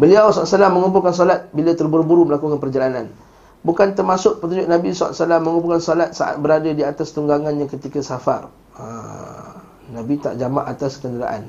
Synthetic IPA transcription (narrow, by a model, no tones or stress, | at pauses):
bəliawsɔasalamːəŋump̬ʊlkans̬olat̪̚bilat̪ərbuɾubuɾuməlakukanpərd͡ʒalanan | bukant̪ərmasʊk̚pət̪uɲd͡ʒʊk̚nabisɔa̰ʔsalamːəŋumpulkansolat̪̚sa̰ʔa̰t̪̚bəɾadadiat̪ast̪uŋɡaŋanɲãkət̪ikasafa̰r | ə̰ | nabit̪a̰ʔd͡ʒama̰ʔat̪askəndəɾa̰ʔa̰n